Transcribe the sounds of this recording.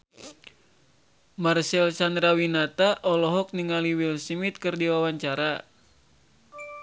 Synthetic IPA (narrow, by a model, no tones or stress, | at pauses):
marsɛlsand̪ɾawinat̪aʔɔlɔɦɔk̚niŋaliwilsimit̪̚kɨrdiwawaɲt͡ʃaɾa